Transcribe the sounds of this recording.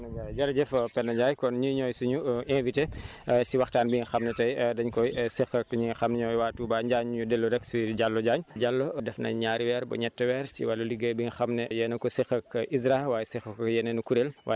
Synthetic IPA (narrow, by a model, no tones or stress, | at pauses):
nɐajd͡ʒɐlːɐɟɛfpɛnːɐɲd͡ʒaːjkɔnɲuɲɔːjsuɲuenvite | siwɐxtaːnbiŋxɐmnɛtɐjdɐɲkɔjsixɐkɲiŋxɐmnɛɲɔːjwaːtuːbaɲɟaːɲɲudɛlːuɾɛksiɟalːɔɟaːɲd͡ʒalːɔdɛfnɐ̰ɲaːɾiwɛːɾbɔ̰ɲɛtːɛwɛːɾsḭwɐlːɐliɡəjbiŋxɐmnɛjɛnɐkɔsixɐkʔis̬ɾawaːjɛsixɐkjɛnɛnukuɾelwa